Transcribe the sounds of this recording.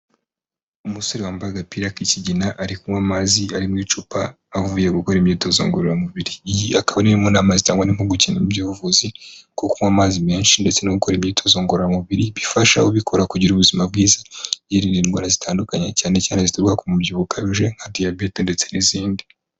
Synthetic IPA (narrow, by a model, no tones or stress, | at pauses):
umusoɾiwaːmbaɡapiɾakiciɟinaʔaɾikumwaːmaziaɾimŋiːt͡ʃupaː | vujeɡuko̞ɾimɲiːto̞zo̰ŋɡoɾoɾamuβiɾiːjiakaβaninimunaːmazitaːŋɡwanim̥huɡuciːnemubɟuːβuvuzikokumwaːmaːzimeːnʃinde̞t͡se̞noɡuko̞ɾimɲiːtʰo̞zo̞ːŋɡoɾoɾamuβiɾiβifaʃa̰uβikʰo̞ɾakuɟiɾuβuzimab̚ɡiːzajiɾininɡwa̰ɾazitʰaːndukaɲacaːne̞caːnezituɾɡakumubɟiβukʰaβiʒeŋ̥hadijabetende̞t͡se̞niziːŋɡi